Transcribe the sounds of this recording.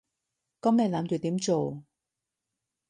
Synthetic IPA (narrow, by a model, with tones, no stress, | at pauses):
kɔ˨˥mnɛ˧laː˨˧˥mt͡ʃy˨t̪iː˨˥mt͡ʃo˨w